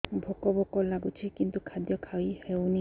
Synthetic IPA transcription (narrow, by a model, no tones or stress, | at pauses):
bʱɔkɔbɔkɔlaɡut͡ʃʰikint̪ukʰad̪jɔkʰawihewni